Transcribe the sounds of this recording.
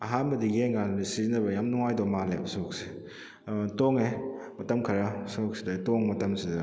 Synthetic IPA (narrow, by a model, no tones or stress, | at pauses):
ɐɦanbɐdiɡeŋannisizinɐbɐjamnuŋajdɔmalabɐsok̚se̥ | toŋemɐtɐmkʰɐɾasok̚sidɐtɔŋmɐtɐmsidɐ